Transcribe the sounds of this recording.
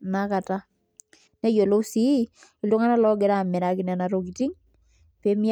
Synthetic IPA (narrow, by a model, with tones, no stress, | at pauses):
naka˨ta˦ | ne˦jo˨lo˦si˦ | i˨ldo˦ŋa˦na˦lɔ˦ɡɛ˨ɾa˨mɛ˨ɾa˨ki˨nɛ˨na˨ɾoki˨ti˦ŋ | pe˦mi˦